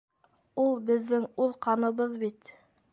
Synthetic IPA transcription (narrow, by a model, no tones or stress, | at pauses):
ulˠbɘ̆ðːɘŋuðqɑnɤ̆βɤðbit̪